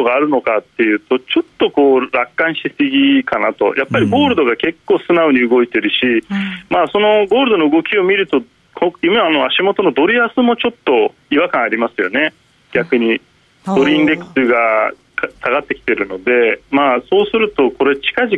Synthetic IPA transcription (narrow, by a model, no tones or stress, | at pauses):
oɡaːɾɯ̟no̞kat̪ːe̞jɯ̟ːt̪o̞t͡ɕo̞t̪ːo̞ko̞ːɾakːãɰ̃ɕi̥t̪e̞sɨɡʲikanat̪o̞̰jʔapːaɾʲiɡo̞ːɾɯd̪o̞ɡake̞kːo̞ːsɨnaoɲ̟iɯɡo̞it̪e̞ɾɯ̟ɕimaːso̞no̞ɡo̞ːɾɯ̟d̪o̞no̞ɯ̟ɡo̞kʲio̞mʲiɾɯ̟t̪o̞ | kʰojimeano̞aɕimo̞t̪o̞no̞d̪o̞ɾʲiasɨmo̞t͡ɕo̞t̪ːo̞ | iβakãɰ̃aɾʲimasɨjo̞ne̞ | ɡʲakɯ̟ɲ̟i | d̪̥o̞ɾɯ̟ĩnd̪e̞kɯ̟̥sɨɡa | ksaɡat̪ːe̞kʲi̥t̪e̞ɾɯ̟no̞d̪e̞maːso̞ːsɨɾɯ̟t̪o̞ko̞ɾe̞t͡ɕi̥kaʑi